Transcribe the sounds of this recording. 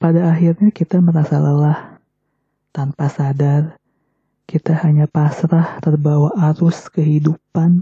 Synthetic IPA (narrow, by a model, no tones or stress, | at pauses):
padaːxirɲakit̪aməɾasaləlah | t̪anpasadar | kit̪ahaɲapasɾaht̪ərbawaʔaɾʊskəɦidupan